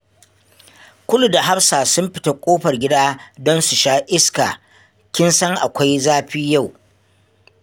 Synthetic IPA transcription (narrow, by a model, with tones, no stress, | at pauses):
kʷʊ˦lu˨da˨ɦa˦ɸsaː˨sʊ˦mɸɪ̥˦ta˦kʷʼoː˦ɸɐ˨rɡʲɪ˦daː˦dɔ˦nsu˨ʃaː˦ʔɪ˦ska̰ː˨ | kʲɪ˦nsɐ˦ŋʔa̰˨kʷa˦jzaː˦ɸiː˦ja˦˨w